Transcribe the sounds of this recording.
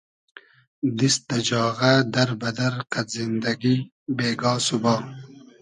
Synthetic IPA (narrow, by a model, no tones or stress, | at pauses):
d̪ist̪ɐd͡ʒɑːɣad̪ɐɾbɐd̪ɐɾqat̪zind̪ɐɡi | beːɡɑːsubɑː